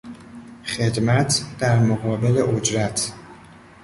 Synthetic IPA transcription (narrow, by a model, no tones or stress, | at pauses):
χe̞d̪mæt̪ʰd̪̥æɾmoɣɒːbe̞leʔod͡ʒɾæt̪ʰ